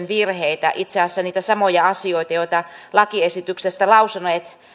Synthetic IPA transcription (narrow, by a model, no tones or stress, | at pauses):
nʋirheit̪æ̰ʔit̪seɑsːæniːt̪æsɑmojɑɑsioit̪ɑjoit̪ɑlɑkiesit̪yksest̪ælɑusɑneːt̪